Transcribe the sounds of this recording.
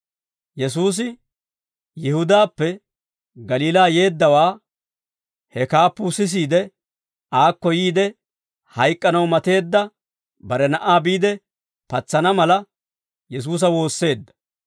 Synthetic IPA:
jɛs̬uːs̬ɪ | jɪhʊd̪aːpːɛ | ɡɐliːlaːje̞ːd̪ːɐwaː | hɛkaːpːʊsɪs̬iːd̪ɛ | aːkːɔjiːd̪ɛ | hɐjkʼːɐnɐwmɐt̪e̞ːd̪ːɐ | bɐɾɛnɐʔaːbiːd̪ɛ | pɐt͡sːɐnɐmɐlɐ | jɛs̬uːs̬ɐwo̞ːsːe̞ːd̪ːɐ̥

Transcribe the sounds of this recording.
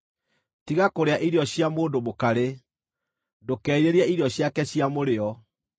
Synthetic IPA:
tiɣakoɾeaʔiɾeɔɕjamoːndomokaɾe | dokɛːiɾeɾiɛiɾeɔɕjakɛɕjamoɾeɔ

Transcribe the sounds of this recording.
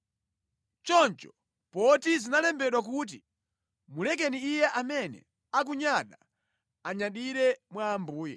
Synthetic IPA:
t͡ʃɔnt͡ʃɔ̥ | pɔtizinalɛmbɛɗwak̬uːt̬i | mulɛk̬ɛniːjɛʔamɛnɛ̰ | ak̬uɲaɗa | aɲaɗiɾɛmwaːmbuːjɛ̰

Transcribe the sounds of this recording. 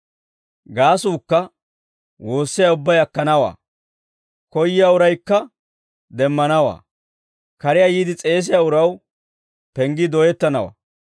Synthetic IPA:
ɡaːsuːkːɐ | wo̞ːsːɪjaːʊbːɐjɐkːɐnɐwa̰ː | kɔjːɪjaːʊɾɐjkːɐ | d̪ɛmːɐnɐwa̰ː | kɐɾɪjaːjiːd̪ɪt͡sʼe̞ːs̬ɪjaːʊɾɐw | pɛŋɡɪd̪ɔjɛt̪ːɐnɐwa̰ː

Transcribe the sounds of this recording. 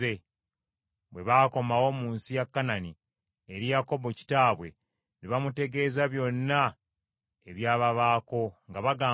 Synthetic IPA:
e̞ | βwe̞βaːko̞mawo̞muːnsijakːanani | eɾijako̞bo̞ci̥taːβwe̞ | neβamute̞ɡe̞ːzaβjo̞nːa | eβjaːβaβaːko̞ŋɡaβaɡaː

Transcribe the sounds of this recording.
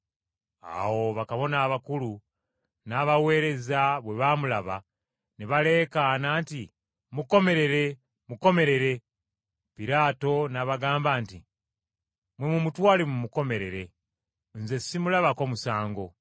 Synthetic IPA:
a̰wo̞βakaβo̞naːβakulu | naβawe̞ːɾe̞zaβwe̞βamulaβa̰ | niβale̞ːkanaːnti | muko̞me̞ɾe̞ɾe̞ | muko̞me̞ɾe̞ɾe̞ | piɾaːto̞naβaɡaːmbaːnti | mwe̞mumutwaːlemumuko̞me̞ɾe̞ɾe̞ | nze̞simulaβako̞musaːŋɡo̞

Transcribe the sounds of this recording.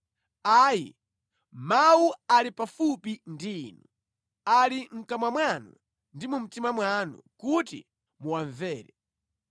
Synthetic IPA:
aːjḭ | mawualipafupindiːnu | aliŋ̩kamwamwanṵ | ndimum̩timamwanṵkutḭ | muwaɱvɛːɾɛ

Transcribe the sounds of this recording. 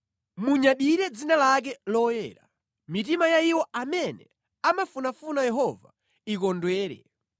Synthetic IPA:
muɲaɗiɾɛd͡zinalak̬ɛlɔjɛ̰ːɾa̰ | mit̬imajaiwɔamɛnɛ̰ | amafunafunajɛɦɔva̰ | ikɔndwɛːɾɛ̰

